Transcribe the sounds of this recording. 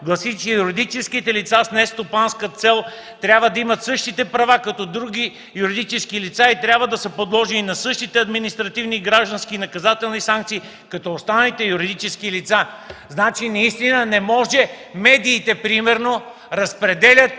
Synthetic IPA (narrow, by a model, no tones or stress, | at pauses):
ɡlˠɐsit͡ʃɛjuɾid̪it͡ʃɛskit̪ɛlit̪sasnɛst̪opanskət̪sɛlˠ | t̪ɾʲjabvəd̪ɐimət̪sɤʃt̪it̪ɛpɾɐvakɐt̪ɔd̪ɾuɡ̟ʲi | juɾid̪it͡ʃɛskilit̪sait̪ɾʲjabvəd̪ɐsəpod̪lˠɔʒɛninɐsɤʃt̪it̪ɛɐd̪minist̪ɾɐt̪ivniɡɾaʒd̪ɐ̃nskinɐkɐzat̪ɛlˠnisãŋk̚t̪siː | kɐt̪ɔost̪anəlit̪ɛjuɾid̪it͡ʃɛskilit̪saznat͡ʃinɐist̪inənɛmɔʒɛ | mɛd̪iːt̪ɛpɾimɛɾno | ɾɐspɾɛd̪ɛlʲət̪̚